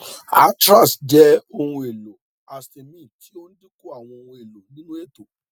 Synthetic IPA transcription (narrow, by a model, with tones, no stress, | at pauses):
a˨˦tɾa˦˨sd͡ʒɛ˦o˧hũ˧e˨lo˨ | a˨ste˨mĩ˦˨tʰi˦o˦nĩ˦di˦ko˦a˦˨w̃ɔ̃˧o˧hũ˧e˨lo˨nĩ˦nũ˦e˦˨to˨